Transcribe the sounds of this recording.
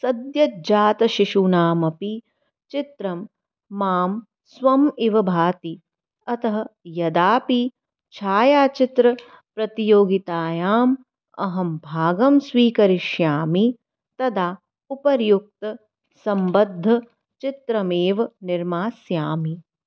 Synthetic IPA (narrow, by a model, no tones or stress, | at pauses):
sɐd̪jɐd͡ʒaːt̪ɐʃiʃuːnaːmɐpi | t͡ʃit̪ɾɐmː | aːm | sʋɐmiʋɐbʱaːt̪i | ɐt̪ɐɦɐjɐd̪aːpi | t͡ʃʰaːjaːt͡ʃit̪ɾɐ | pɾɐt̪ijoːɡit̪aːjaːm | ɐ̰ɦɐmbʱaːɡɐmsʋiːkɐɾiʃjaːmi | t̪ɐd̪aː | upɐɾjuk̚t̪ɐ | sɐmbɐd̪ʱːɐ | t͡ʃit̪ɾɐmeːʋɐniɾmaːsjaːmi